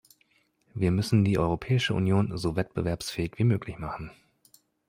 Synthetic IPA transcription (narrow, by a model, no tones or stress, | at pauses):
viːɐmʏsn̩diːʔɔʏʁopʰɛːɪʃəʔṵnjoːnzovɛt̚b̥əvɛɐpsfɛːɪçv̥iːmøːkʰlɪçmaχn̩